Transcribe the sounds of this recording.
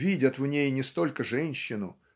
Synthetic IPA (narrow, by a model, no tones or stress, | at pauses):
vʲidʲət̪vnʲejnʲɪst̪o̞lʲkəʐɛnʲɕːɪnʊ̰